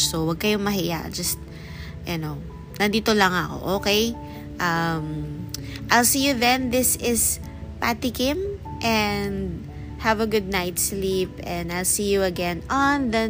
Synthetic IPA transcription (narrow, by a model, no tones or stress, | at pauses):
sowɐɡ̚kɐjomɐɦɪja̰ʔd͡ʒɐst̪̚ | jʊnow | nɐnd̪iːt̪olɐŋɐko̞̰ʔoːkej | ʔɐm | ʔajlsiːjuðɛ̃nðɪsɪs | pat̪ɪkɪmʔɛnd̪̚ | hɐvɐɡʊd̪̚najt̪slipɛ̃nd̪ajlsijuɐɡɛ̃nɔnðɐ